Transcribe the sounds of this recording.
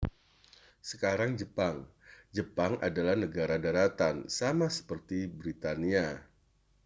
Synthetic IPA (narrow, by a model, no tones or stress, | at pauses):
səkaɾaŋd͡ʒəpaŋd͡ʒəpaŋʔa̰dalahnəɡaɾadaɾat̪ansamasə̥pərt̪ibɾit̪ania